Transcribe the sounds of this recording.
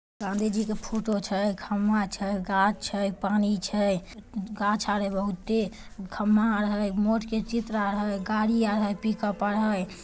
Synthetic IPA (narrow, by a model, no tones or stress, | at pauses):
ɡãnd̪ʱid͡ʒikepʰoʈot͡ʃʰəjɡʰʱəmːat͡ʃʰəjɡat͡ʃt͡ʃʰəjpanit͡ʃʰəjɡãt͡ʃʰaɾəbəɦut̪ːekʰəmːaɾəɦəjmoʈket͡ʃit̪ɾaɾəɦəjɡaɽiaɾɦəjpikəpaɽɦəj